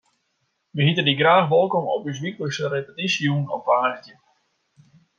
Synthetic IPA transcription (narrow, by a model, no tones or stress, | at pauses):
ʋəhitədiɡraːxʋɔlˠkɔmɔ̰pys̬ʋikləsəɾepətisjunɔ̰pʋaːstjə